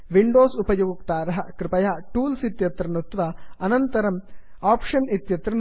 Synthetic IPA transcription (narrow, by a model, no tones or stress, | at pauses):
ʋiɳɖoːsupɐjuɡɐkt̪aːɾɐɦɐkɾɪpɐjɐɦɐʈuːlsit̪jɐt̪ɾɐnut̪ʋɐɐnɐnt̪ɐɾɐm | aːpʂɐnit̪jɐt̪ɾɐn